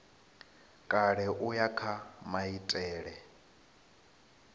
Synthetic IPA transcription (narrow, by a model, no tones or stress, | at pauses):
kʼaɺɛʔujakʰamaitʼɛːɺɛ